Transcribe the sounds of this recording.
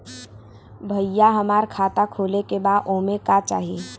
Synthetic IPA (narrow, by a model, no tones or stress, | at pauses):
bʱəjaɦɐmaːɾkʰaːt̪akʰoːlekebaːd̪ʔoːmẽkat͡ʃa̰ːɦie